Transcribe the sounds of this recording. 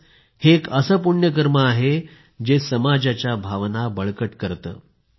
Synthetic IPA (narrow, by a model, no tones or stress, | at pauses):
heːkəsəːpuɳjək̬əɾməaɦe | d͡ʑesəmad͡ʑat͡ɕjabʱaʋnabəɭkəʈkəɾt̪ə̰ː